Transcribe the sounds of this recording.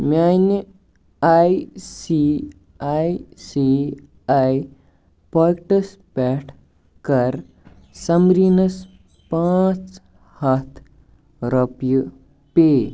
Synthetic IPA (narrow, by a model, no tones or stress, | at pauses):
man | ajsi | ajsi | aj | pɔkʈəs | pɛʈʰ | kɐɾ | sɐmɾinəs | pãt͡s | hɐt̪ʰ | ɾɐpju | pe